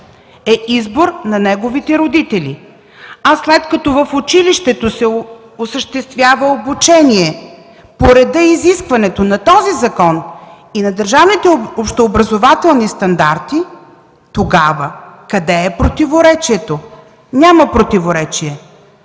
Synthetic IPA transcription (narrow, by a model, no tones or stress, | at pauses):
ɛizboɾnɐnɛɡovit̪ɛɾod̪it̪ɛlʲḭ | asːlɛt̪kɐt̪ɔvəfʊt͡ʃiliʃt̪ɛt̪osɛ | osəʃt̪ɛst̪vʲjavəobut͡ʃɛniɛ | poɾɛd̪əiziskvɐnɛt̪onɐt̪ɔzizɐkɔn | inɐd̪əɾʒavnit̪ɛopʃt̪oːbɾɐzovat̪ɛlˠnist̪ɐnd̪aɾt̪i | t̪oɡavəkɐd̪ɛːpɾot̪ivoɾɛt͡ʃiɛt̪o | nʲamɐpɾot̪ivoɾɛt͡ʃiɛ